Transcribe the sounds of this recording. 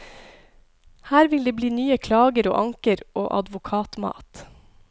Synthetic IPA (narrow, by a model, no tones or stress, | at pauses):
hæːɾʋɪld̪eːbliːnyːəkʰlɑːɡəɾo̰ːʔɑŋkəɾo̰ːʔɑ̰d̪ʋʊkʰɑːt̪mɑ̰ːt̪